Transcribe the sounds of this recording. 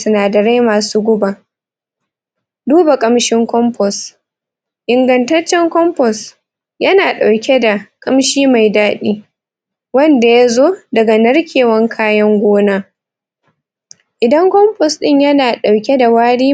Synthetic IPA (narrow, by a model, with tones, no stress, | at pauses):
sʊ˦naː˨dɐ˨ɾe˦jmaː˨suː˦ɡʷʊ˦ba˨ | duː˦ba˨kʼɐ˦mʃɪ˦ŋkʷɔ˦mpʰɔ˨s | ʔɪ˨ŋɡɐ˨ntɐ˦t͡ʃːɛ˦ŋkʷɔ˦mpɔ˨s | jɐ˦naː˨ɗa˨wkʲe˦da˨kʼɐ˦mʃiː˦ma˨jdaː˦ɗiː˦ | wɐ˦nda˨ja˦zoː˦dɐ˨ɡa˨nɐ˦rkʲʰeː˨wɐ˦ŋkʰaː˦jɐ˦ŋɡʷoː˦naː˦ | ʔɪ˨dɐ˦ŋkʷɔ˦mpɔ˨sɗɪ˦ɲjɐ˦naː˨ɗa˨wkʲe˦da˨waː˦ɽiː˦